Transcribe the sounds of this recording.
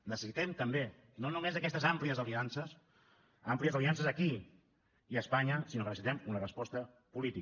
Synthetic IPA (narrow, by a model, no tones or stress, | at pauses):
nəsəsit̪ɛmt̪əmbe | nonumezəkɛst̪əzampliəzəliansəs | ampliəzəliansəzəki | iəspaɲəsinokənəsit̪ɛmunərəspɔst̪ə | pulit̪i